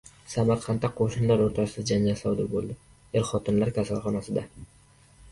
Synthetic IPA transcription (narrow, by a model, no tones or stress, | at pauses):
samaɾqʰɑnt̪ːaqʰoʃɪnlaɾoɾt̪ʰasɪd̪ad͡ʒand͡ʒalsɒd̪ɪɾbolˠd̪ɪ | eɾχɒt̪ʰɪnlaɾkʲʰasalˠχɒnasɪd̪a